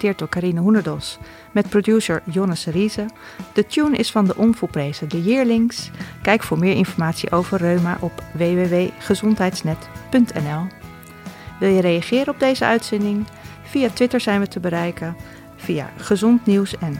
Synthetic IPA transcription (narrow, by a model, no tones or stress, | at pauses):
tɪːɹt̚dʊːɹkaɾinəɦunəɹdɔlˠs | mɛt̚produsəɹjɔnəsrizə | d̥ətjunɪ̰sfɑndəʔɔnvulˠprejzədəjɪːɹlɪŋskɛjkfʊːɹmɪːɹɪ̰nfɔɹmaːtsḭʔowvərːøɥma̰ʔɔpʋejʋeʋejχəzɔntɦɛjtsnɛtpɵntʰɛ̰nɛlˠ | ʋɪlˠjəɾejaχɪːɾənɔb̚dejzəœɥtsɛndɪŋ | v̥ijaːtʋɪtəɹzɛjnʋətəbəɾɛjkən | v̥ija̰χəzɔntniwsɛn